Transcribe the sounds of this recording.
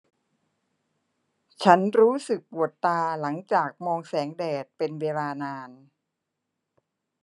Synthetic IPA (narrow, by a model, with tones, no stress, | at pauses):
t͡ɕʰa˦˥nɾuː˦˥sɯ˨˩k̚pu˨˩ət̪ːaː˧la˩˦ŋt͡ɕaː˨˩k̚mɔː˧ŋsɛː˩˦ŋdɛː˨˩t̪̚pe˧nweː˧laː˧naː˧n